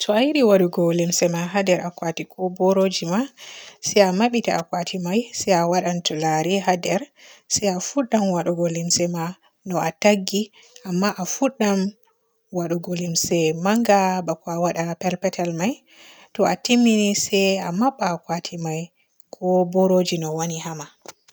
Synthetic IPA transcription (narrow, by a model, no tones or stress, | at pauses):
tʰɔajiɗiwaɗuɡolimsɛmaɦadɛɾakwatikɔbɔɾod͡ʒimasɛjamaɓitaakwatʰimajsɛawaɗantulaɾiɦadɛɾsɛjafuɗːamwaɗuɡolimsɛma | nɔataɡːi | amːaʔafuɗːam | waɗuɡolimsɛmaŋɡabakɔawaɗapɛlpɛtalmaj | tɔatimːinisɛjamaɓːaːkwatʰimaj | kʰɔbɔɾod͡ʒinɔwonihama